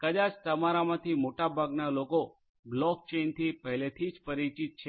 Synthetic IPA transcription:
kəd̪at͡ʃt̪əmaɾamãt̪ʰimoʈabʱaɡnaloko | blɔk̚t͡ʃent̪ʰipəɦlet̪ʰid͡ʒpəɾit͡ʃit̪̚t͡ʃʰe

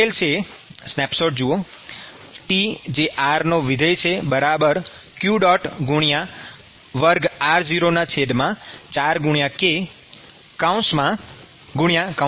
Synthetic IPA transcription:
elt͡ʃʰe | snɛpʃoʈ̚d͡ʒuo | ʈid͡ʒeʔaɾnoʋid̪ʱəjt͡ʃʰebəɾabəɾkjuɖɔʈɡuɽ̃jã | ʋəɾɡaɾd͡ʒiɾonat͡ʃʰed̪mãt͡ʃaɾɡuɳijãke | kaũsmã | ɡuɽjãka

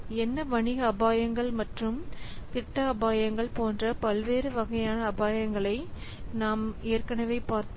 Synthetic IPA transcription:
ɛnːɐʋɐɳɪɣɐːbaːjɐŋɡɐɭmɐʈrɯmt̪ɪʈːɐɐbaːjɐŋɡɐɭpoːndrɐpɐlʋeːɾɯʋɐɣɐjaːnɐːbaːjɐŋɡɐɭɐɪ | naːmeːrkɐnɐʋeːpaːɾt̪

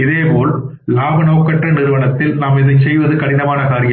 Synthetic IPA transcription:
ɪðeːpoːl | laːʋɐnoːkːɐʈrɐnɪɾɯʋɐnɐt̪ːɪlnaːmɪðɐsɛjʋɐðɯkɐɽɪnɐmaːnɐkaːɾɪjɐ

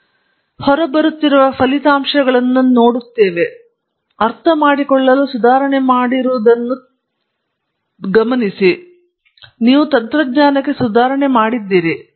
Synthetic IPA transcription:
hɔɾɐbɐɾut̪ːiɾuʋɐpʰɐlit̪aːmʂɐɡɐɭɐnːuno̞ːɽut̪ːeːʋe̞ | ɐɾt̪ʰɐmaːɽikɔɭːɐlusud̪aːɾɐɳemaːɽiɾuʋd̪ɐnːu | ɡɐmɐnisi | niːʋut̪ɐnt̪ɾɐɡɲaːnɐkːesud̪aːɾɐɳemaːɽid̪ːiːɾi

